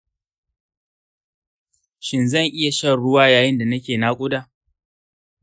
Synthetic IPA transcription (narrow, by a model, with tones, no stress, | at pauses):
ʃɪ˨nzɐ˦˨ŋʔɪ˦ja˨ʃɐ˦˨rɽʊ˦waː˦jaː˨jɪ˦nda˨nɐ˦kʲeː˨na˦kʷʼʊ˦daː˨